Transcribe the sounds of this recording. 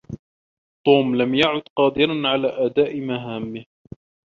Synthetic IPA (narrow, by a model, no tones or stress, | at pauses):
t̪ˤuːmlamjaʕʊd̪qɑːd̪ɪɾanʕalaːʔad̪aːʔɪmaɦaːmːɪh